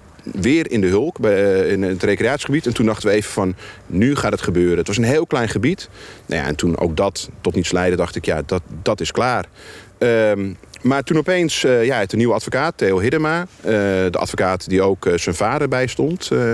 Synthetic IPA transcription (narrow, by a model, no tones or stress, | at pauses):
ʋɪːərɪndəɦɵlˠkbɛɪnətrejkreaːtsχəbitɛntundɑχtəʋəeːvəfɔnːyχaːtətχəbøːɾəətʋɑsənɦeːlˠklɛjnχəbitna̰ja̰ɛ̰ntʰuno̰wk̚dɔtːɔtnitslɛjdədɑχtɪkja̰dɔd̥ɔtɪsklaːr | ə | martunɔpejnsjaətəniʋəatfokaːtʰːeːlˠɦɪdəmaədəʔa̰tfokaːtdioːksənfaːdərbɛjstɔnt